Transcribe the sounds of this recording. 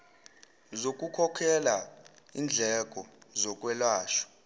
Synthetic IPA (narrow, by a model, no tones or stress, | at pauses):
zok̬ʼukʰɔkʰɛla | iːnd͡ɮʱɛk̬ʼɔzɔk̬ʼwɛlwaːʃɔ̥